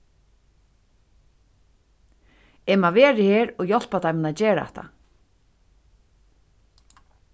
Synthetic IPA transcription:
ɛmaʋeːɾɪheːɾɔɣjɔl̥pat̪ʰajmɪnad͡ʑeːɾaɛ̰ht̪a̰

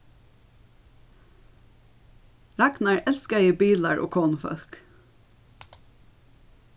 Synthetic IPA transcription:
ɹæɡnɑɹɛlskəæɪəbiːləɹʔo̰ːkʰoːnfœ̰lk

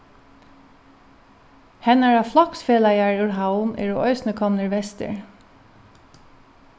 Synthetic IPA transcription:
hɛnaɹɑflɔksfeːlajaɹjʊɹɦaʊmʔɛ̰ɹɔʔœʏsnəkʰɔmnəɹʋɛst̪ə̰ɹ

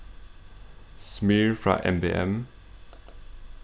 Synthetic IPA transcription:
smiɹfɹɑ̰ʔɛ̰mbeːɛ̰m

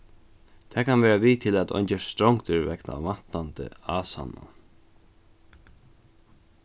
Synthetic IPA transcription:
t̪ʰɛːkʰanvɛːɾaviːt̪ʰɪlæt̪ɔ̰ɲt͡ʃɛst̪ɾɔwŋkt̪ɪɾvɛkna̰vḁt̪ːant̪ə̰aːsa̰na̰

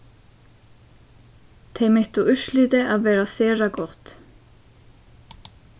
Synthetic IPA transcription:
t̪ʰejmeht̪uʔʏr̥sliːt̪ɪʔaðvɛːɾasɛːɾakɔrt̪

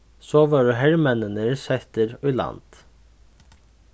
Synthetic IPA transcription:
soːʋɑːɹɦɛɹmɛnənəɹsɛht̪əɾœːlɑ̰nd̪̥

